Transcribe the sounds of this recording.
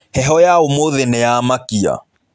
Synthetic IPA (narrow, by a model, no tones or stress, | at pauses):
hɛɦɔjaomoðɛnɛjaːmakia̰